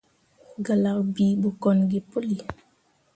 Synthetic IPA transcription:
ɡa˨la˨kbi˨bu˨kɔ˨nɡi˨pu˦li˨

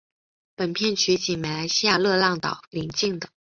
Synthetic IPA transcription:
pə˨˩npʰjɛ˥˩nt͡ɕʰy˧˥t͡ɕi˨˩mɛ˨˩ɪla˧˥ɪɕi˥ja˥˧lɤ˥˧lɑ˥˩ŋt̪ɑ̰˨˩ʊli˧˥ŋt͡ɕi˥˩ŋd̪ə˩

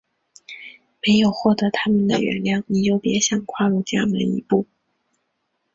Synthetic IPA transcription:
me˧˥ɪjo˨˩ʊxwɔ˥˩t̪ɤ˧˥t̪ʰa˥mə˨nd̪ə̰˩ɥɛ̰˧˥nljɑ˥˩ʊni˨˩jo˥˩ʊpjɛ˧˥ɕjɑ˥˩ŋkʰwa˥˧lu˥˧t͡ɕja̰˥˩mə̰˧˥nḭ˧˥pu˥˩

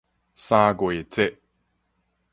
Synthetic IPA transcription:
saː˦˧ɡwe˨t͡se˦ʔ

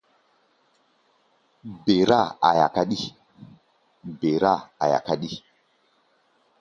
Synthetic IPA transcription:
be˨ɾa˦˨a̰˨ja̰˨ka˦ɗi˦ | be˨ɾa˦˨a̰˨ja̰˨ka˦ɗi˦

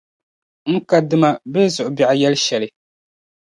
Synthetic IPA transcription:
ŋ̩˦ka˦dɨ˦ma˦be˦zʊ˨ʔʊ˨bi˨ʔa˨jɛ˦lʃɛ˨lɪ˨

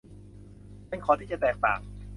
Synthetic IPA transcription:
pe˧˥˩nkʰɔː˧t̪iː˥˩t͡ɕa˨t̪ɛː˨˩k̚t̪a̰ː˨˩ŋ̚

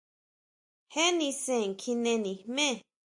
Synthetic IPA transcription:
he˦nĩ˧sẽ˨ŋ˨kʰi˧nẽ˧nĩ˨mẽ˦˨

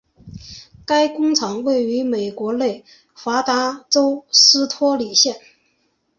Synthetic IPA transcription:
ka˥ɪkʊ˥ŋʈ͡ʂʰɑ˧˥ŋwe˥˩ɪy˧˥me˨˩ɪkwɔ˧˥le˥˩ɪ | fwa˧˥t̪a˧˥ʈ͡ʂo˥ʊʂɹ̩˥t̪ʰwɔ˥li˨˩ɕjɛ˥˩n

